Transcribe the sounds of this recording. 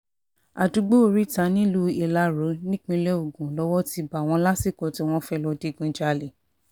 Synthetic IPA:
a˨du˧˦ɡ͡bo˦o˨ɾi˨˦ta˧˦nĩ˦lu˦e˨la˧˦ɾo˨˦nĩ˦k͡pĩ˧lɛ˦o˨ɡũ˨lɔ˧˦wɔ˦ti˧ba˨w̃ɔ̃˧la˦si˦˨kɔ˨ti˧˦˧w̃ɔ̃˦fɛ˦lɔ˧de˨˦˨ɡũ˧d͡ʒa˧le˨

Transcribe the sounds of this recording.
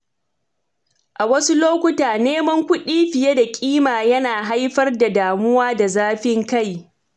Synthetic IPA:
ʔa˨wɐ˦su˦loː˦kʷʊ˦taː˨neː˦mɐ˦ŋkʷʊ˦ɗiː˦ɸɪ˨je˦da˨kʲʼiː˦maː˨jɐ˦naː˨ɦa˦jɸɐ˦rda˨daː˨mʊ˦waː˦da˨zaː˦ɸɪ˦ŋka˦˨j

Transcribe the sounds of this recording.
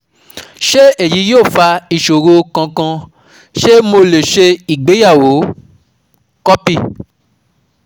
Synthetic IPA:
ʃe˦e˦˨ji˨˦joː˦˨fa˧i˨ʃo˨ɾo˧kã˧kã˧ | ʃe˦mo˧le˨ʃe˧i˨ɡ͡be˨˦ja˦˨wo˨˦ | kɔ˦pi˦˨

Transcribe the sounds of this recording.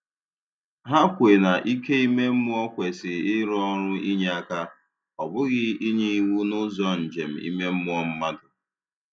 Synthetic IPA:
ɦa˦kʷe˨na˨ʔi˦ke˦i˦me˦m̩˦mʊ˦ɔ˦kʷe˨sɪ˨ɪ˦ɾɔ˦ɾʊ˦i˦ɲe˦a˦ka˦ | ɔ˨bʊ˦ɣɪ˦i˦ɲe˦i˦wu˦nʊ˦zɔ˦n̩˨d͡ʒe˨m̩˨ḭ˦me˦m̩˦mʊ˦ɔ˦m̩˦ma˦dʊ˨

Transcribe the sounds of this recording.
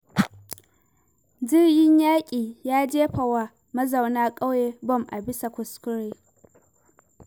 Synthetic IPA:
d͡ʒɪ˦rjɪ˦ɲjaː˦kʲʼiː˨jaː˦d͡ʒeː˦ɸa˨wa˨ | mɐ˦za˨wnaː˦kʼa˦wjeː˨bɔ˦˨mʔa̰˨bɪ˦sa˨kʷʊ˨skʷʊ˦ɾeː˦

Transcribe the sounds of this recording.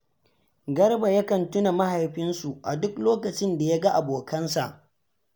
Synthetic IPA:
ɡɐ˦rba˨ja˦kɐ˨ntʊ˦na˨ma˦ha˨jɸɪ˦nsu˨ʔa̰˨dʊ˦kloː˦kɐ˨t͡ʃɪ˦nda˨ja˦ɡa˦ʔa˨boː˨kɐ˦nsa˨ʔ

